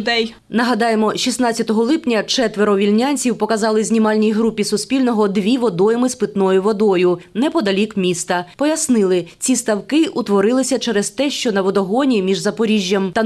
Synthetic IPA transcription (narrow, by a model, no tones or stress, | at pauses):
d̪ɛj | nɐɦɐd̪ɑjemɔʃʲisnɑtʲt͡sʲjɐt̪ɔɦɔlˠɪpnʲɐt͡ʃɛt̪ʋeɾɔʋʲilʲnʲanʲt͡sʲiwpɔkɐzɑlˠɪzʲnʲimɑlʲnʲijɦɾupʲisʊsʲpʲilʲnɔɦɔd̪ʋʲiʋɔd̪ɔjɛmɪspɪt̪nɔjʊʋɔd̪ɔjʊnɛpɔd̪ɐlʲikmʲist̪ɐpɔjɐsnɪlˠɪt͡sʲist̪ɐwkɪʔut̪ʋɔɾɪlˠɪsʲɐt͡ʃɛɾɛst̪ɛʃt͡ʃɔnɐʋɔd̪ɔɦɔnʲimʲiʒzɐpɔɾʲiʒʲːɐmt̪ɐ